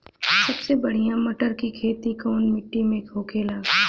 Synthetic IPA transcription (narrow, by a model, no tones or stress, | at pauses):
sɐbsebɐɽ̤ijãmɐʈəɾkikʰeːt̪ikɔːnmɪʈːimẽkʰoːkʰeːlaː